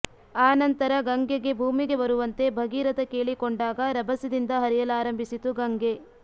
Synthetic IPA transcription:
aːnɐnt̪ɐɾɐɡɐŋɡeɡe̞bʱuːmiɡe̞bɐɾuʋɐnt̪e̞bʱɐɡiːɾɐd̪ɐkeːɭikoɳɖaːɡɐɾɐbʱɐsid̪ind̪ɐɦɐɾijɐlaːɾɐmbʱisit̪uɡɐŋɡe

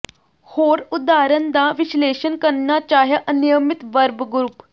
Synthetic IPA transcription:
hoːɾud̪aːɾənd̪aʋiɕleːɕənkəɾɳjat͡ɕaːɦjaʔənijəmit̪ʋəɾbɡɾup

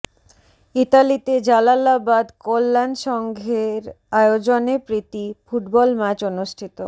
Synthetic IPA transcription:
it̪alit̪ed͡ʑalalabad̪kolːanʃɔŋɡʱeɾ | aeod͡ʑonepɾit̪ifuʈbɔlmat͡ɕonuʃʈʰit̪o

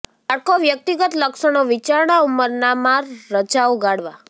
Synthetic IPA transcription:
aʈ̚kʰoʋjək̚t̪iɡət̪ləkʃəɳ̃oʋit͡ʃaɾɳauməɾnamaɾːət͡ʃauɡaɽʋa

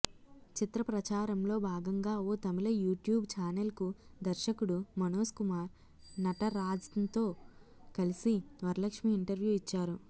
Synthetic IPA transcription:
t͡ʃit̪ɾɐpɾɐt͡ʃaːɾɐmlo̞ːbʱaːɡɐŋɡaːoːt̪ɐmilɐjuːʈjuːbt͡ʃaːnɐlkud̪ɐɾʃɐkuɽumɐnoːskumaːɾ | nɐʈɐɾaːd͡ʒɐɐnt̪o̞ːkɐlisiʋɐɾlɐkʂmiːɳʈɐɾʋjuːit͡ʃːaːɾu

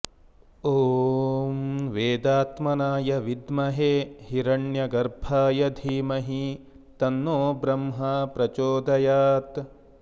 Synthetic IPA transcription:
oːmʋeːd̪aːt̪mɐnaːjɐʋid̪mɐɦeːhiɾɐɳjɐɡɐɾbʱaːjɐd̪ʱiːmɐɦi | t̪ɐnːoːbɾɐmɦɐpɾɐt͡ʃoːd̪ɐjaːt̪

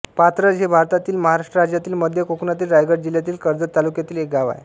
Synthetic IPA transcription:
pat̪ɾəd͡zɦebʱaɾt̪at̪iːlməɦaɾaʂʈɾəɾad͡ʑjat̪iːlməd̪ʱjəkokunat̪iːlɾajɡəɾd͡ʑiljat̪iːlkəɾd͡zət̪alukjat̪iːlek̚ɡaʋa̰je

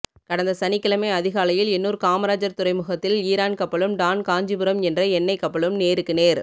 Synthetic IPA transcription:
kɐɽɐnd̪ɐsɐnɪkːɪlɐmeːɐðɪɣaːlɐjɪlɛnːuːɾkaːmɐɾaːd͡ʒɐɾt̪ʊrɐɪmɯɣɐt̪ːɪliːɾaːnkɐpːɐɭɯmɖ̪aːnkaːɲd͡ʒɪbɯɾɐmɛndrɐɛnːɐɪkːɐpːɐɭɯmneːɾɯkːɯneːɾ

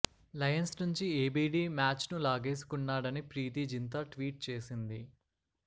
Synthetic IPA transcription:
lɐjɐnsnuɲt͡ʃieːbiːɖiːmaːt͡ʃnulaːɡe̞ːsi̥kunːaːɽɐnipɾiːt̪̬id͡ʒint̪̬aʈʋiːʈ̚t͡ʃe̞ːsind̪i

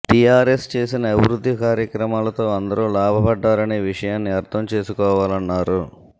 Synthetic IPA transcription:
ʈijaːɾest͡ʃe̞ːsinɐːbʱiɾud̪ʱːikaːɾjɐkɾɐmaːlɐt̪o̞ːɐnd̪ɐɾuːlaːbʱɐbɐɖːaːɾɐneːʋiʂɐjaːnːiɐɾt̪ʰɐmt͡ʃe̞ːsukɔːʋaːlɐnːaːɾu

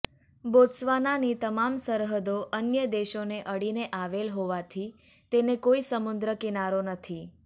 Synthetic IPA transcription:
bosʋananit̪əmamsəɾɦəd̪oʔənjəd̪eʃoneʔəɽineʔaʋelɦoʋat̪ʰi | t̪enekoisəmʊnd̪ɾəkinaɾonət̪ʰi

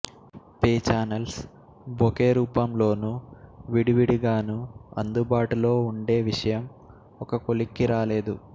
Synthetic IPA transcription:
peːt͡ʃaːnɐls | bʱokeːɾuːpɐmlo̞ːnuʋiɽiʋiɽiɡaːnuɐ̰nd̪ubaːʈulo̞ːuɳɖe̞ːʋiʂɐjɐm | ɔkɐkolikːiɾaːle̞ːd̪u

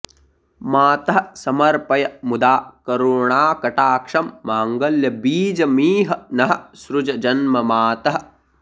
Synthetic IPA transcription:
maːt̪ɐɦɐsɐmɐɾpɐjɐmud̪aːkɐɾuːɳaːkɐʈaːkʂɐmːaːŋɡɐljɐbiːd͡ʒɐmiːɦɐ̆nɐɦɐ̆sɾud͡ʒɐd͡ʒɐnmɐmaːt̪ɐɦɐ̆

